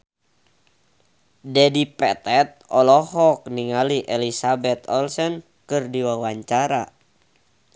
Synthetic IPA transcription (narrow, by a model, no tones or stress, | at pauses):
dɛdipɛt̪ɛt̪̚ɔlɔhɔk̚niŋaliʔɛlisabɛt̪ɔlsɛn | kɨrdiwawaɲt͡ʃaɾa